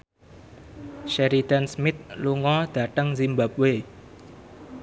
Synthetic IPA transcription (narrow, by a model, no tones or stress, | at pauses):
ʃɛɾit̪ansmɪt̪̚luŋɔd̪̥ä̤t̪əŋzimbapwe